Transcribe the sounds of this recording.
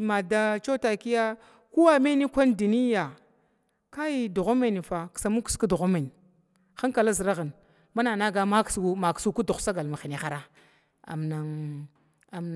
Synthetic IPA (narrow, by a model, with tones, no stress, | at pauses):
ma˨da˦t͡ʃo˦ta˨ki˦ja˦ | ku˦wa˦me˦ni˦kʷa˦ndu˨ni˦ja˨ | ka˦i˦du˨ɣa˦ma˦˨ni˨fa˨ksa˨mu˦ku̥˦sku˦du˨ɣa˦ma˨n˨ | xa˦ŋka˨la˦zi˨ɾa˦ɣa˨n | ma˦na˨na˦ɡa˦ma˦ksma˨ksu˦ku˦du˨xsa˦ɡa˨lma˨xi˨ni˨xa˦ɾa˦ | a̰˨mna˨ŋ | a˨m